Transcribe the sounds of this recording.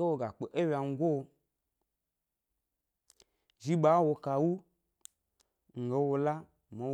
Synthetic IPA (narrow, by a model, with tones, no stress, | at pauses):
e˦wo˨ɡa˨k͡pe˨ʔe˦wʲa˨ŋ̩˨˦ɡo˦˨ | d͡ʒi˦ɓa˨˦wo˧ka˧wu˦ | ŋ̩˨ɡe˨wo˧la˦ | mo˨˦